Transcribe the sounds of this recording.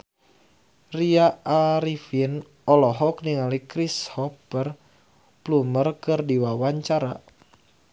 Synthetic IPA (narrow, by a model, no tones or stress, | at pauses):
riaaɾifin | ɔlɔɦɔk̚niŋalikɾishɔpər | plumərkɨrdiwawaɲt͡ʃaɾa